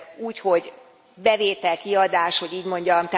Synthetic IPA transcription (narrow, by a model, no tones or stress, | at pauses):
uːcho̞ɟ | bɛveːt̪ɛlkiɒd̪aːʃho̞ɟiːɟmo̞ɲɟɒmt̪a